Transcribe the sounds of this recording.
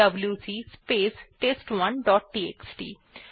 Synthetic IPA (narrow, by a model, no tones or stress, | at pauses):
ɐbljusiːspeːsʈeːsʈʋɐnɖɔːʈ̚ʈiːeːksʈḭː